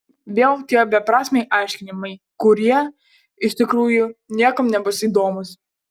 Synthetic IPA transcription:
ʋʲeːlˠt̪ʲiɛbʲɛpɾɑːsʲmʲɛɪʔɑˑɪʃʲkʲɪnʲɪmɐɪ | kʊɾʲiɛ | ɪʃʲt̪ʲɪkɾuːjʊnʲiɛkɐmnʲɛbʊsiːd̪oːmʊs

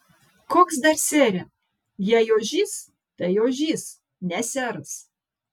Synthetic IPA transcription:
koːksd̪ɐɾsʲeːɾʲɛ | jɛjoːʒʲiːs | t̪ɐjoːʒʲiːs | nʲɛsʲæɾɐs

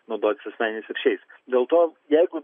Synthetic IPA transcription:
nɐʊd̪oːt̪ʲɪsʲɐsʲmʲɛɪnʲɪsɪɾʃʲɛɪsd̪ʲeːlˠt̪oːjɛɪɡʊ

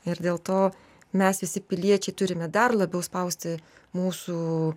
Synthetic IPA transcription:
ɪɾd̪ʲeːlˠt̪oː | mʲɛsʋʲɪsʲɪpʲɪlʲiɛt͡ʃʲɛɪt̪ʊɾʲɪmʲɛd̪ɐrlˠɐbʲɛʊspɐʊsʲt̪ʲɪ | muːsuː

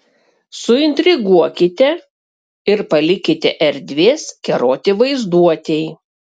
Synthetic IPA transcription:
sʊɪnʲt̪ʲɾʲɪɡuɔkʲɪt̪ʲɛ | ɪɾpɐlʲɪkʲɪt̪ʲɛʔɛɾʲd̪ʲʋʲeːskʲɛɾoːt̪ʲɪʋɐɪzd̪uɔt̪ʲɛɪ

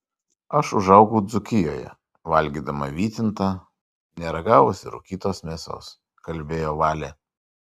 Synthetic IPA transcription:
ɐʃʊʒɐʊɡuːd̪zʊkʲɪjoːjɛ̰ | ʋɐlʲɡʲiːd̪ɐmɐ̰ʋʲiːt̪ʲɪnt̪ɑː | nʲɛɾɐɡɑːʋʊsʲɪ̰ɾʊ̰kʲiːt̪oːsmʲeːsʲo̰ːs | kɐlʲbʲeːjoːʋɑːlʲe

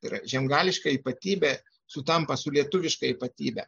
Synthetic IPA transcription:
t̪ɐɪɾɐ̰ʒʲɛmɡɑːlʲɪʃkɐiːpɐt̪ʲiːbʲæ | sʊt̪ɐmpɐsʊlʲiɛt̪ʊʋʲɪʃkɐiːpɐt̪ʲiːbʲɛ̰

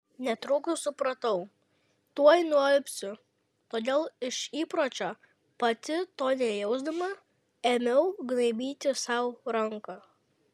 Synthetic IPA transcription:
nʲɛt̪ɾʊːkʊsʊpɾɐt̪ɐʊ | t̪uɔjnʊɛlʲpʲsʲʊ | t̪oːd̪ʲeːlˠɪʃiːpɾoːt͡ʃʲoː | pɐt̪ʲɪt̪oːnʲɛjɛʊzd̪ɐmɐ | emʲɛʊɡnɐɪbʲiːt̪ʲɪsɐˑʊɾɐŋkɐ

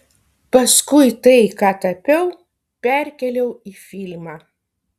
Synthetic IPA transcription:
pɐskʊɪt̪ɐɪkɑːt̪ɐpʲɛʊ | pʲɛɾʲkʲɛlʲɛʊiːfʲɪlʲmɑː

